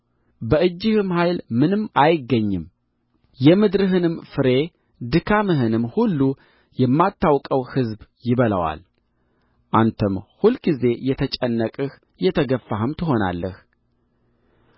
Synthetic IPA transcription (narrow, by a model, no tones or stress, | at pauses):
bəʔɨd͡ʒːɪhɨmhajlmɨnɨmːajɪɡːəɲːɨm | jɛmɨd̪ɾɨɦɨnɨmfɨɾe̞ | d̪ɨkʰamɨɦɨnɨmhulːu | jɛmːat̪ːawkʼəwhɨzbjɪβələ̰wa̰l | ʔant̪ʰəmhulɡize̞jɛt̪ʰət͡ʃʼɛnːəkʼɨh | jɛt̪ʰəɡəfːahɨmt̪ʰɨɦo̞na̰lːəh